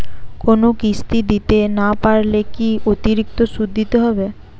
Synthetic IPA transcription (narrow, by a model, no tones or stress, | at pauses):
konokist̪id̪it̪enapaɾlekiot̪iɾik̚t̪osud̪ʱːit̪eɦɔbe